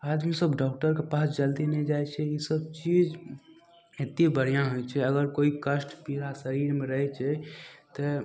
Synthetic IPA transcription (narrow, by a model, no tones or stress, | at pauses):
ad͡ʒmisəbɖɔk̚ʈəɾkepasd͡ʒəld̪inɛd͡ʒajt͡ʃʰɛisəbt͡ʃid͡ʒ | et̪ibəɽijãɦojt͡ʃʰɛəɡəɾkoikəsʈpiɾasəɾiɾmẽɾəɦɛt͡ʃʰɛt̪ɔ